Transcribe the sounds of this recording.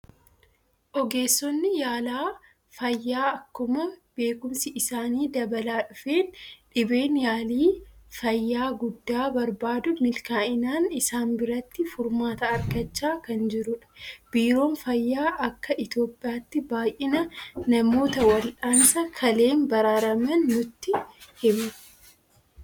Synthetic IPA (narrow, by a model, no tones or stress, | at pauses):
ʔɔɡe̞ːsːɔnːɪjaːlaː | fɐjːaːɐkːʊmɐb̥e̞ːkʊmsɪʔɪsaːniːd̪ɐbɐlaːᶑʊfe̞ːnᶑɪbe̞ːnjaːliːfɐjːaːɡʊd̪ːaːbɐɾbaːd̪ʊmɪlkaːʔɪnaːnɪsaːnbɪɾɐt̪ːɪfʊɾmaːt̪ɐɐɾɡɐt͡ʃːaːkɐnd͡ʒɪɾʊᶑɐ̥b̥iːɾo̞ːnfɐjːaːʔɐkːɐʔɪt̪jo̞ːpʼːɪjaːt̪ːɪbaːjʔɪnɐnɐmo̞ːt̪ɐwɐlᶑaːnsɐkʰɐle̞ːnbɐɾaːɾɐmɐnːʊt̪ːɪhɪmɐ̥